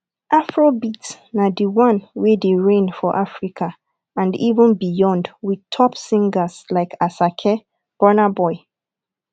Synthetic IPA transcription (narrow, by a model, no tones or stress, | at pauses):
ʔafɹobit | nadiwãnwedeɹẽnfɔʔafɹikʰa | ãndivə̃nbijɔ̃ndwidtʰɔpsĩŋɡaslaɪkʰasakʰɛ | b̥ɔnabɔɪ